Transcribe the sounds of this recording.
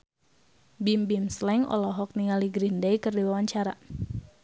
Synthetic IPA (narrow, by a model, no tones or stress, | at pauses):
bimbimslɛŋɔ̰lɔɦɔk̚niŋaliɡɾindajkɨrdiwawaɲt͡ʃaɾa